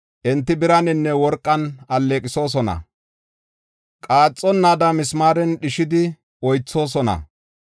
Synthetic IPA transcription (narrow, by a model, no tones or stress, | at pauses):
ʔɛnt̪ːɪbɪɾɐnɪnːɛwɔɾkʼːɐnɐlːeːkʼɪso̞ːs̬ɔnɐ̰ | kʼaːt͡sʼːɔnːad̪ɐmɪsmaːɾɛnɗɪʃɪd̪ɪ | ɔjt͡sːo̞ːs̬ɔnɐ̰